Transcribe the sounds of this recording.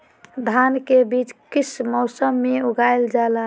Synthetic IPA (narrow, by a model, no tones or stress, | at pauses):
d̪ʱankebit͡ʃkismɔʊsəmːeuɡajld͡ʒala